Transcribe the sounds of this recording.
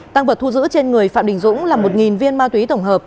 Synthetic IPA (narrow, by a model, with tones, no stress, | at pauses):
t̪a˧ŋvə˨˩t̪̚ʰu˧zɨ̰˧˥t͡ɕe˧nŋɨ˨˩əjfaː˧˩mɗï˨˩ŋ̟zʊ̰˧˥ŋ͡mlaː˨˩mo˨˩t̚ŋi˨˩nvi˧ənmaː˧t̪wi˨˦t̪ə˧˩wŋ͡mɦəː˨˩p̚